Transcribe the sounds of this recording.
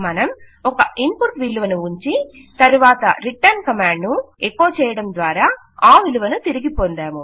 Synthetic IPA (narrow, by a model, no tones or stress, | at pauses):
mɐnɐm | ɔkɐʔimpuʈʋiluʋɐnuuɲt͡ʃi | t̪ɐɾuʋaːt̪ɐ̰ɾiʈːɐɾnkɐmaːɳɖnuekːoːt͡ʃɛːjɐɽɐmd̪ʋaːɾaː | aːʋiluʋɐnut̪iɾiɡipond̪aːmu